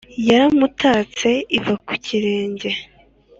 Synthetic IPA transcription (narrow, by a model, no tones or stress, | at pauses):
jaɾamutʰaːt͡se̞ivaku̥ciɾe̞ːɲɟe̞